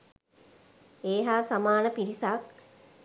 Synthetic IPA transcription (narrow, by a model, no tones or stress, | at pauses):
eːɦaːsamaːnəpiɾisak̚